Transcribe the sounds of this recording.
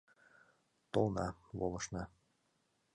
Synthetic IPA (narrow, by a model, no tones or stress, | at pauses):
t̪olˠnɑβolˠɤ̆ʃnɑ